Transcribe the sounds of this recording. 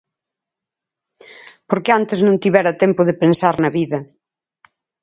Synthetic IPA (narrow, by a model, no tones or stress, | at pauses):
poɾkeant̪eznõnt̪iβɛɾɐt̪ɛmpʊðepensaɾnɐβiðɐ